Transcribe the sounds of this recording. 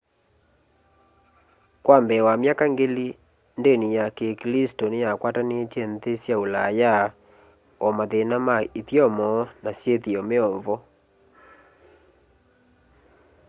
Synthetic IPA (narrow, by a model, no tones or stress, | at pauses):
kwambɛwamjakaŋɡeli | ndenijakeklistɔnejakwatanet͡ʃɛntesjaulaja | ɔmaðenamaitjɔmɔnasjetiɔmeɔɱvɔ